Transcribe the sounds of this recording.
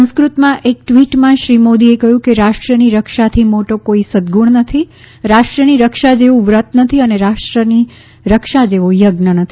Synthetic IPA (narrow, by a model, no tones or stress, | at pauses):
sə̃skɾut̪mãʔek̚ʈʋiʈmãʃɾimod̪iekəɦjũkeɾaʃʈɾəniɾəkʃat̪ʰimoʈokoisəd̪ɡuɳnət̪ʰi | ɾaʃʈɾəniɾəkʃad͡ʒeʋũʋɾət̪nət̪ʰiəneɾaʃʈɾəni | ɾəkʃad͡ʒeʋojəɡnənət̪ʰii